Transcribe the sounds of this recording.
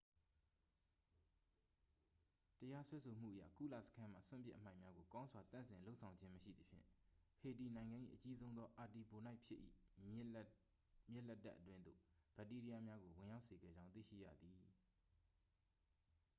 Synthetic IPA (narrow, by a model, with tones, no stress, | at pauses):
təja˦swɛ˦sʰo˨m̥ṵ˦˨ʔəjä̰˦˨kṵ˦˨lä̰˦˨sə̥kʰã˦ma̰˦˨swʊ̰̃˦˨mp̬jɪ̰˦ʔəm̥ã˦˨ɪ̃mja˦ɡo˨kã˦ʊ̃nzwa˨t̪ã̰˨nsɪ̃˨lo˦ʔsʰã˨ʊ̃ɲd͡ʑɪ̃˦məʃḭ˦˨d̪ə˨pʰjɪ̰̃˦˨he˨ti˨nã˨ɪ̃ŋɡã˨ʔḭ˦˨ʔət͡ɕi˦zõ˦ʊ̃nd̪ðɔ˦ʔa˨ti˨bo˨na˦ɪʔpʰjɪ˦ʔːḭ˦˨ | mjɪ˦ʔlɛ˦tːa̰˦ʔət̬wɪ̃˦nd̪o̰˦˨b̥ɛ˨˦tːi˦ɾi˦a˦mja˦ɡo˨wɪ̃˨ja˦ʊʔse˨ɡɛ̰˦˨d͡ʑã˦ʊ̃t̪ḭ˦˨ʃḭ˦˨ja̰˦˨d̪ði˨